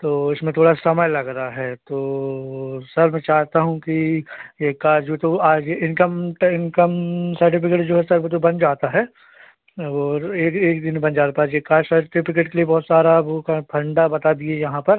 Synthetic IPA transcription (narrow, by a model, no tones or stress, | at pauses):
t̪oːɪsmẽt̪ʰoːɽasɐməjlɐɡɾɐaɦɛːt̪oː | sɐɾmɛ̃ːt͡ʃaːɦt̪aɦũkijeːkaːd͡ʒʋoːt̪oaːd͡ʒeɪnkəmʈɪnkəmsɐɾʈɪpɪkeʈd͡ʒoːɦɛsɐɾʋoːt̪̬obɐnd͡ʒaːt̪aɦɛː | ɔːɾeːkeːkd̪ɪnbɐnd͡ʒaːt̪atp̪aaːd͡ʒjekaːd͡ʒsɐɾʈɪpʰɪkeʈkeliebɔɦːt̪saːɾabokapʰɐ̃ɳɖabɐt̪ad̪iejɐɦãpɐɾ